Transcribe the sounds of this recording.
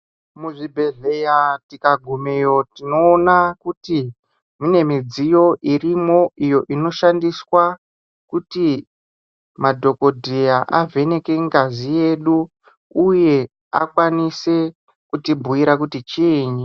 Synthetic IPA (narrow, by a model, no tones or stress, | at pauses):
muʐibʱe̞ɮe̞jatikaɡʱumejo̞tino̞ːnakuti | mine̞mid͡zijo̞ʔirimo̞ʔijo̞ʔino̞ʃandiswa | kuti | madʱo̞ko̞dʱejaʔa̰vʱe̞ne̞ke̞ŋɡazije̞ɗu | uje̞ | a̰kwanise̞ | kutibʱuiɾak̬utit͡ʃiːɲi